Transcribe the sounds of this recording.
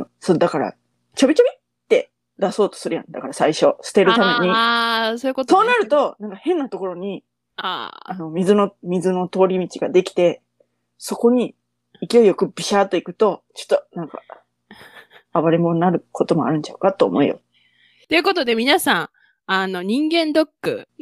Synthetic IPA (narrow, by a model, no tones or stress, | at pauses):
sod̪akaɾa̰ | t͡ɕobʲit͡ɕobʲi | t̪ːe̞ | d̪aso̞ːt̪o̞̥sɨɾɯ̟jã̰nd̪akaɾasaiɕo̞sɨ̥t̪e̞ɾɯ̟t̪ame̞ɲ̟isoikoso̞ːnaɾɯ̟t̪o̞nãŋkahẽ̞nːat̪o̞ko̞ɾo̞ɲ̟i | a̰ano̞mʲizɨno̞mʲizɨno̞t̪o̞ːɾʲimʲit͡ɕiɡad̪e̞kʲi̥t̪e̞ | so̞ko̞ɲ̟i | ikʲiojo̞kɯ̟b̥ʲiɕaːt̪o̞ikɯ̟t̪o̞t͡ɕo̥t̪ːonãŋka̰ | aβaɾemo̞nnaɾɯ̟kʰo̞t̪o̞mo̞a̰ɾɯ̟̃ɲ̟t͡ɕa̰ɯ̟kat̪ːoːmo̞ḭjo̞̰ | t̪o̞ɯ̟ko̞t̪o̞d̪e̞mʲinasãɰ̃ | ano̞ɲ̟ĩŋɡẽ̞nd̪o̞kːɯ̰